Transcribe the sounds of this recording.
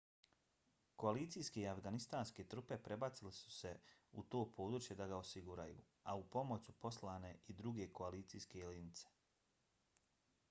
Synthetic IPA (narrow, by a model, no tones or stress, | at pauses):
ko̞aliːt̪sijske̞iafɡanist̪aːnske̞t̪ɾupe̞pɾe̞bat̪silesu̥se̞ut̪o̞ːpʰo̞ːd̪ɾuːt͡ʃjed̪aɡaosiɡuɾa̰jṵː | aupo̞mo̞t͡ɕupo̞slaːne̞id̪ɾuɡe̞ko̞aliːt̪sijske̞linit̪se̥